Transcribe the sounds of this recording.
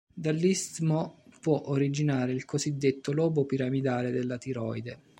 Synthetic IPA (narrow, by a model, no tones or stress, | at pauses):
d̪alːist̪mopwɔʔoɾid͡ʒinaːɾeilkozid̪ːet̪ːolɔːbopiɾamid̪aːled̪elːat̪iɾɔjd̪e